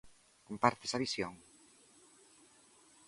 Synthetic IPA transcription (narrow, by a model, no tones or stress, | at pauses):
kompaɾt̪e̥saβisjoŋ